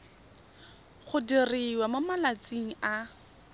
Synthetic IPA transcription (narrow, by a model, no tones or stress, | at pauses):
χʊdiriwamʊmalat͡siŋ̩a